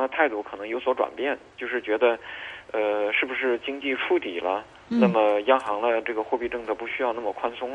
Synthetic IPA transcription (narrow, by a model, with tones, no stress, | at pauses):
ŋd̪ə˧t̪ʰa˥˧ɪt̪u˥˩kʰɤ˨˩nɤ˧˥ŋjo˧˥ʊswɔ˧˥ʈ͡ʂwa̰˨˩npjɛ˥˩nt͡ɕjo˥˧ʊʂɻ̩˥˩t͡ɕɥɛ˧˥d̪ə˧ə˧ʂɻ̩˥˩bu˩ʂɻ̩˥˩t͡ɕi˥ŋt͡ɕi˥˩ʈ͡ʂʰu˥t̪i˨˩lə˦ | na˥˩mə˩jɑ˥ŋxɑ˧˥ŋd̪ə˧ʈ͡ʂɤ˥˩ɡə˩xwɔ˥˧pi˥˧ʈ͡ʂɤ˥˩ŋt͡sɤ˥˩pu˧˥ɕy˥jɑ˥˧ʊna˥˩mə˩kʰwa˥nsʊ˥ŋ